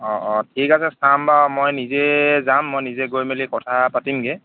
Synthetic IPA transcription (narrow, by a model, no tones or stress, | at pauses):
ɔʔɔtʰikasɛstʰambamojnizɛzamːojnizɛɡojmelikɔtʰapatimɡe